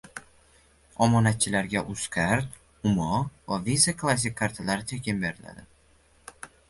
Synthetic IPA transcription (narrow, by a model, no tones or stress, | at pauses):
ɒmɒnat̪̚t͡ʃʰɪlaɾɡʲaʔʊskʲʰaɾt̪ | ʊmɒvavizakʰlˠas̬ʲɪkʲʰːaɾt̪ʰalaɾɪt͡ʃʰekʲʰɪmbe̞ɾɪla̰d̪ɪ